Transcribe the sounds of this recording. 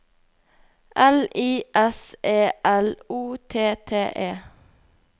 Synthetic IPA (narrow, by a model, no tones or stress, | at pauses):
ʔɛliːʔɛseːʔæluːt̪ʰeːt̪ʰeːʔeː